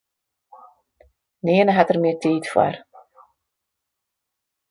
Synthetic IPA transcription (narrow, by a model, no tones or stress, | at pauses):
niənəɦatərmɪətiːtfwə̰r